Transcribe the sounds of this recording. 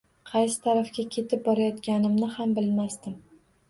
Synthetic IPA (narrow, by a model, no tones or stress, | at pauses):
qʰɑjsɪ̥t̪ʰaɾafkʲakʲʰe̞t̪ʰɪp̚bɒɾajɒt̪kʲanɪmnɪhambɪlmast̪ɪm